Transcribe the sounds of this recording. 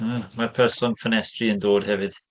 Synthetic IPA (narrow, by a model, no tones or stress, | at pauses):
marpʰɛrsɔnfənɛstriəndoːd̥hɛvɨd̥